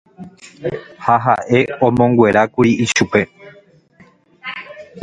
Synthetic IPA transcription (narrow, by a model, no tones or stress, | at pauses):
haɦaʔe̞õmõ̞ŋɡwe̞ɾakuɾiiʃupe̞